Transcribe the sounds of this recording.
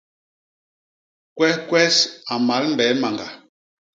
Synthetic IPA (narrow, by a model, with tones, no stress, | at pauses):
kwɛ˦hkwɛ˦sa˨ma˨˦lm̩˦bɛ˨˦ma˨ŋɡa˨